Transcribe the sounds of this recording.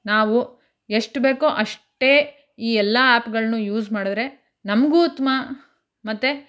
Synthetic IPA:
naːʋu | eʂʈbeːkoʔɐʂʈeː | iːɛlːɐaːpɡɐɭɐnujuːzmaːɽid̪ɾe̞ | nɐmɡuːt̪ːma | mɐt̪ːe

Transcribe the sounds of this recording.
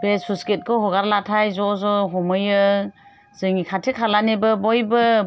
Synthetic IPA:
bespʰusket̚kʰɯɦɔɡaɾlatʰajzɔzɔɦɔmɯjɯ | zɯŋikʰatʰekʰalanebɯbɔjbɯ

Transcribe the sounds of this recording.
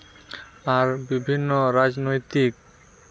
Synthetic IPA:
aɾbibʱinːoɾad͡ʑnojt̪ik

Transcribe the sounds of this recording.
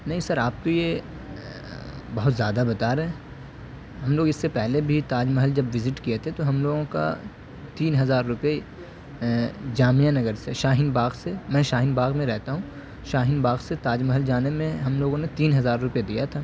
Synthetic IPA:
nɐɦĩsɐɾaːp̚t̪oje | bɐɦʊt̪zjaːd̪abɐt̪aːɾɐɦẽ | ɦɐmloːɡɪsːepɛɦlebʱit̪aːd͡ʒmɐɦəld͡ʒɐbʋɪzɪʈkijet̪ʰet̪oɦɐmloːɡõka̰ | t̪iːnɦɐzaːɾːʊpe | d͡ʒaːmijanɐɡəɾseʃaːɦɪnbaːɣsemɛ̃ːʃaːɦɪnbaːɣmẽɾɛɦt̪aɦũː | ʃaːɦɪnbaːɡset̪aːd͡ʒmɐɦəld͡ʒaːnemẽɦɐmloːɡõnet̪iːnɦɐzaːɾːʊpjed̪ijat̪ʰaː

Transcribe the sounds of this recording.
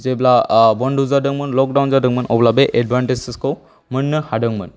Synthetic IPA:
zeblabɔnduzadɯŋmɯnlɔk̚dawnzadɯŋmɯnʔɔblabeʔedbʱanʈeziskow | mɯnːɯhadɯŋmɯn

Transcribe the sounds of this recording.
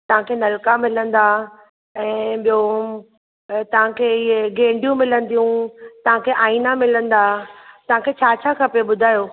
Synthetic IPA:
t̪ɐʋ̤ãkʰeːnɐlkamɪlə̃nd̪aː | ɛ̃ːɓijo | t̪ɐʋ̤ãkʰeːɪɦeɡẽːɳɖijũmɪlə̃nd̪ijũt̪ɐʋ̤ãkʰeːʔaːinamɪlə̃nd̪aːt̪ɐʋ̤ãkʰet͡ɕʰaːt͡ɕʰakʰɐpeɓʊd̪ʱaːjoː

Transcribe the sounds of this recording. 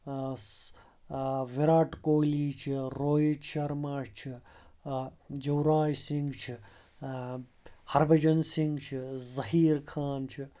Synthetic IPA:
ʋiɾaːʈkoːliːt͡ʃʰiɾoːjit͡ʃʰɐɾmaːʂt͡ʃʰi | jɐwɾaːjsiŋɡt͡ʃʰi | hɐɾbɐd͡ʒɐnsiŋɡt͡ʃʰizɐɦiːɾkʰaːnt͡ʃʰi

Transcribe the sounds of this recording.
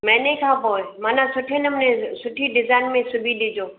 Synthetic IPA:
mɛ̃ːnɐĩkʰãːpoːemaːnãsʊʈʰenəmnẽsʊʈʰiɖɪzaːɪnmẽsʊbʱiɗɪd͡ʒoː

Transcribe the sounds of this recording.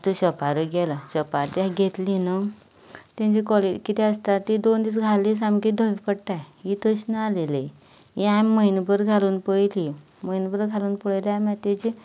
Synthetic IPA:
t̪uɕəpaɾəɡɛlaɕəpaɾt̪iaɡʱet̪linə | t̪ãɲt͡ɕikɔled͡ʑkit̪ɛəst̪at̪id̪ond̪iːt͡sɡʱalisamkid̪ʱəʋipəɽʈ̪ajɦit̪əɕnəalele | ɦiamməjnbəɾɡʱaluːnpəjli | məjnbəɾɡʱaluːnpəɭljamãt̪et͡ɕi

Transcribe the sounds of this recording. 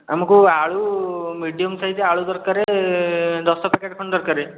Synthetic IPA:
amakuaɭumiɖijɔmsaɦit̪eaɭud̪ɔɾkaɾe | d̪ɔst̪ɔpakeʈ̚kʰɔɳd̪ɔɾkaɾe

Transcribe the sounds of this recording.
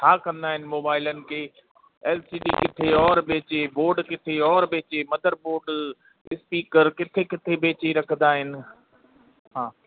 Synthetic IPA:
t͡ʃʰaːkɐ̃nd̪aːɦɪnɪ̆moːbaːɪlənɪ̆kʰeː | ɛːlsiːɖiːkɪt̪ʰeɔːɾbʱeːt͡ɕeboːɾɖkɪt̪ʰeɔːɾbeːt͡ɕemɐd̪ʱəɾboːɾɖ | ɪspiːkəɾkɪt̪ʰekɪt̪ʰebʱeːt͡ɕeɾɐkʰənd̪aːɦɪnɪ̆ | ɦãː

